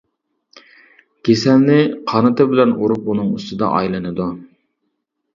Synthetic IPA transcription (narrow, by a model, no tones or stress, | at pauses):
ɡʲesɛlnɪqʰɑnɨt̪ɨbɪlɛnʔuɾup̚unɨŋyst̪ɨd̪ɑ̰ʔɑ̰jlˠɨnɨd̪u